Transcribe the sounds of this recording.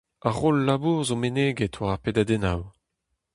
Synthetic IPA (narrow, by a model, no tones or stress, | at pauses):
aʁolːabuːʁzomeneːɡɛtʰwaʁapedad̪ɛnaw